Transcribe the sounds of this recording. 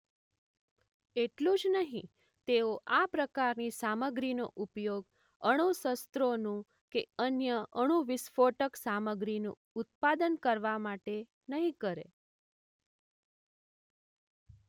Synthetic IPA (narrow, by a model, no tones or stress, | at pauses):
eʈlũd͡ʒnəɦĩ | t̪eoʔapɾəkaɾnisaməɡɾino̰ʔupjoɡ | əɽ̃usəst̪ɾonũ | keənjəəɽ̃ũʋɪsfoʈəksaməɡɾinṵ̃ | ʊt̪̚pad̪ənkəɾʋamaʈe | nəɦĩkəɾḛ